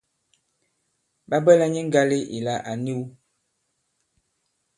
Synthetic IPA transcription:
ba˦bə˦la˦ɲi˦ŋ̩˦ɡa˦li˦ʔḭ˨la˨ʔa˨ni˦w

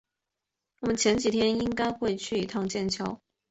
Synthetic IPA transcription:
wɔ˨˩mə˦nt͡ɕʰjɛ˨˧˥nt͡ɕi˨˩t̪ʰjɛ˥ni˥ŋka˥ɪxwe˥˧ɪt͡ɕʰy˥˨i˨˩t̪ʰɑ˥˧ŋt͡ɕjɛ˥˨nt͡ɕʰjɑ˥ʊ

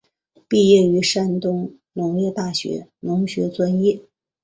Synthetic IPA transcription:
pi˥˧jɛ˥˩y˧˥ʂa˥nt̪ʊ˥ŋ | nʊ˧˥ŋjɛ˥˧t̪a˥˩ɕɥɛ̰˧˥nʊ˧˥ŋɕɥɛ˧˥t͡swa˥njɛ˥˩

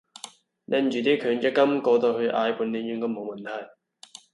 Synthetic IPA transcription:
nʔɛ˧nt͡ʃyː˨˩t̪iː˥kʰœː˨˥ŋt͡ʃɛ˥kːɐ˥mkɔː˧t̪o˧hɵ˧ɥʔaː˨˧jpʰu˨˥nli˨˧˥njy˧ŋkɔː˧mo˨˧wmɐ˨˩nt̪ʰɐ˨˩j

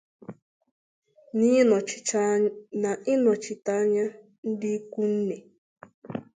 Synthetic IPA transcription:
ni˦˨ | na˨ʔi˦nɔ̃˨t͡ʃi˨ta˦ɲa˦ | n̩˦di˦ku˦n̩˦ne˨

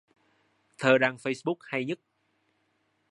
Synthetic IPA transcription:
t̪ʰəː˨˩ɗaː˧˩ŋfə˧jsɓu˦˥k̚ha˧jɲə˦˥t̚

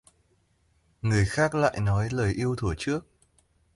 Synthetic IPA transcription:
ŋɨ˨˩əjxaː˦˥k̚la̰ː˧˨jnɔ˨˦jləː˨˩jʔi˧əwt̪ʰu˧˩ət͡ɕɨ˦˥ək̚

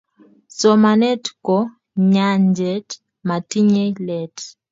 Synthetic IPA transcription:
sɔ˨ma˨nɛ˦tkɔ˨ | ɲa˦ɲd͡ʒɛ˨t | ma˨ti˦ɲe˦lɛ˨t

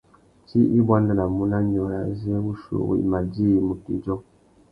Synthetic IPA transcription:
t͡ʃi˦ʔi˦ba˦ndə˨na˨mu˦na˦ɲɔ˨ja̰˨zwu˦ʃṵ˨wḭ˨ma˨di˦i˨mu˨ti˨d͡ʒɔ˦

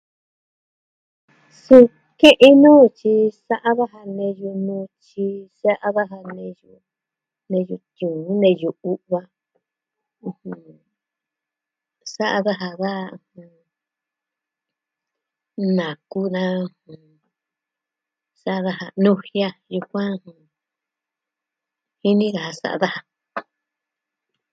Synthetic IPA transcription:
su˧ | kẽ˦ʔe˦nã˦ju˧t͡ʃi˧sa˦ʔa˦ða˦ɦa˧nẽ˧ju˧nũ˧t͡ʃi˧sa˦ʔa˦βa˦ɦa˧nẽ˧ju˧ | nẽ˧ju˧t̪ũ˨ũ˦nẽ˧ju˧u˦ʔβa˧ | ũ˧˨hũ˧ | sa˦ʔa˦ða˦ɦa˧ða˦˧˨hũ˧ | nã˨ku˦nã˦u˧hũ˨ | sa˦ʔa˧ða˦ha˧nũ˧hja˦ju˧kʷã˦˧hũ˧ | hi˦nĩ˦ɣa˨ha˧sa̰˨ʔa̰˧ða˦ha˧˨

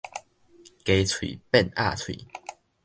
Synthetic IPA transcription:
ke˧˦t͡sʰwḭ˨˩pɛ˥˨na̰˥˨t͡sʰwḭ˨˩˦

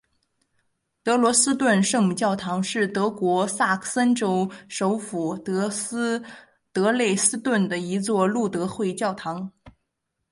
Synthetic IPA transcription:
t̪ɤ˧˥lwɔ˧˥sɹ̩˥t̪wə˥˧nʂɤ˥˧ŋmu˨˩t͡ɕjɑ˥˩ʊt̪ʰɑ˧˥ŋʂɻ̩˥˩t̪ɤ˧˥kwɔ˧˥sa˥˩kʰsə˥nʈ͡ʂo˥ʊʂo˧˥ʊfu˨˩t̪ | t̪ɤ˧˥le˥˩ɪsɹ̩˥t̪wə˥˩nd̪ə˩i˧˥t͡swɔ˥˧lu˥˩t̪ɤ˧˥xwe˥˧ɪt͡ɕjɑ˥˩ʊt̪ʰɑ˧˥ŋ

